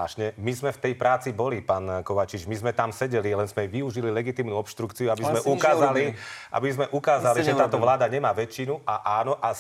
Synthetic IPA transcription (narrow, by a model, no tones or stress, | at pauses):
aːʃɲɛmizmɛft̪ɛjpɾaːt͡sibɔlipaːnkɔʋat͡ʃid͡ʒmizmɛt̪amsɛɟɛlilɛnzmɛʋiuʒililɛɡit̪iːmnuɔpʃt̪ɾukt͡siuabizmɛʔukaːzaliʔa̰bizmɛʔukaːzaliʒɛaːt̪ɔʋlaːd̪aɲɛmaːʋɛt͡ʃːinuʔaʔaːnɔʔa